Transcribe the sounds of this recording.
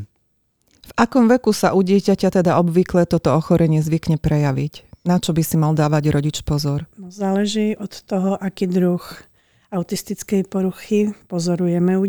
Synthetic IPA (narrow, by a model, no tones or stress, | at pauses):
vakɔmʋɛkusaʔuɟɪɛcacat̪ɛd̪aɔbʋiklɛt̪ɔt̪ɔɔxɔɾʔɛɲɪɛzʋikɲɛpɾɛjaʋicnat͡ʃɔbisimald̪aːʋaɟɾʔɔɟit͡ʃpɔzɔɾnɔzaːlɛʒiːʔɔt̪ːɔɦɔʔakiːd̪ɾux | aʊt̪ist̪it͡skɛjpɔɾuxipɔzɔɾujɛmɛu